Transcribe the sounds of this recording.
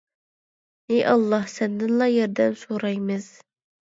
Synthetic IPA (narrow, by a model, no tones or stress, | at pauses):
ejʔɑlˠːɑhsɛnd̪ɪnlˠɑjɛɾd̪ɛnsoɾɑjmɨz̥